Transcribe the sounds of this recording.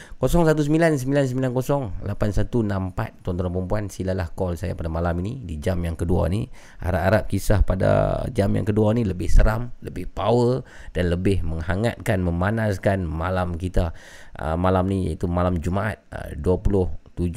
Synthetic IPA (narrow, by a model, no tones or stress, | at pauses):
kosɔŋsat̪us̬əmbilans̬əmbilansəmbilankosɔŋlapansat̪unampa̰t̪ːɔnt̪ɔɾanpəəmpuansilalahkɔlsaja̰padamalaminidid͡ʒamjaŋkədua̰ni | a̰ɾaʔaɾap̚kisahpada̰d͡ʒamja̰ŋkəduaniləbɪhsəɾamləbɪhpawə | d̥anləbɪhməŋhaŋa̰t̪̚kanməmanaskanmalamkit̪a | ə̰malamnija̰it̪umalamd͡ʒumaat̪̚ə̰duapulʊht̪ud͡ʒ